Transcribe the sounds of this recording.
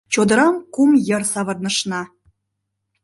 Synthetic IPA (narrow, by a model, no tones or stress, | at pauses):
t͡ɕod̪ə̆ɾɑmkumjɤ̆rsɑβɤ̆rnə̆ʃnɑ